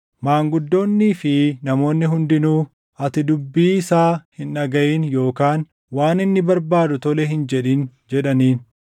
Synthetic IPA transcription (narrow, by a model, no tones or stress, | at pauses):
maːŋɡʊd̪ːo̞ːnːiːfɪnɐmo̞ːnːɪɦʊnd̪ɪnuː | ɐt̪ɪd̪ʊbːiːɪsaːhɪnɐɡɐʔiːnjo̞ːkaːn | waːnɪnːɪbɐɾbaːd̪ʊt̪ɔlɛɦɪnd͡ʒɛᶑiːnd͡ʒɛᶑɐniːn